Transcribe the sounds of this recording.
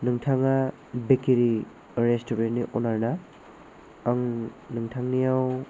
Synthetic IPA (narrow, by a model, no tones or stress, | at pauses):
nɯŋtʰaŋa | bekiɾi | ɾestobenniʔɔnaɾna | aŋnɯŋtʰaŋnijaw